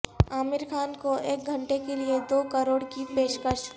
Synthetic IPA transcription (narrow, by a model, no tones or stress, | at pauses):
aːmɪɾkʰaːnkoʔeːk̚ɡʱɐ̃ɳʈekelied̪oːkəɾoːɽkipeːʃkəʃ